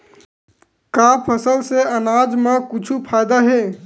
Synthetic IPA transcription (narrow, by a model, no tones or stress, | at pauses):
kapʰəsəlseənad͡ʒmekʊt͡ʃʰupʰajd̪aɦe